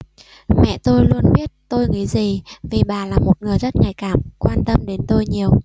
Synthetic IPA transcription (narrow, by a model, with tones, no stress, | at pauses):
mɛ̰˧˨t̪o˧jlu˧ənɓi˦˥ət̚t̪o˧jŋi˨˦zi˨˩vi˨˩ɓaː˨˩laː˨˩mo˨˩t̚ŋɨ˨˩əjzə˦˥t̚ŋa˨˩jkaː˧˩mkwaː˧nt̪ə˧mɗe˨˦nt̪o˧jɲi˨˩əw